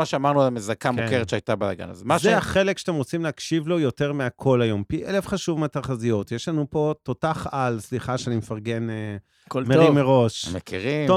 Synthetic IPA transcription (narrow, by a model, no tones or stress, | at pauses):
aʃeamaʁnualamezakamukkeʁet̪ʃeajtabalaɡa̰na̰zaʃzeaχelekʃeat̪emʁot͡simleakʃivlo̞jo̞te̞ʁmeakʰo̞lajo̞mpiʔelefχaʃuvmeataʁχazijot̪jeʃlanupo̞totaχalsliχaʃeanimefaʁɡe̞ne | kolmeimeʁo̞ʃmekiʁio